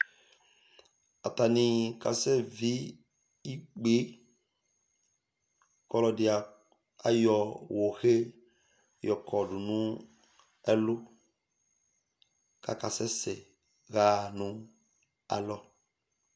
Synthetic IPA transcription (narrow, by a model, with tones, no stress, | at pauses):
a˨t̪a˨nĩ˨ka̰˨sɛ˦vi˦ | i˦k͡pe˦ | kɔ˦lɔ˨dɪ˨a˨ | a̰˨jɔ˨wo˨xe˦ | jɔ˨kʰɔ˨ɖu˨nũ˦ | ɛ˦lu˦ | ka̰˨ka˨sɛ˦sɛ˨ | ɣa˦˨nũ˦ | a̰˨lɔ˦